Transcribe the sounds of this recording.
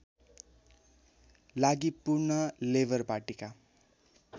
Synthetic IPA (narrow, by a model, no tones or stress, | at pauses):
laɡipurnʌlebʌrparʈika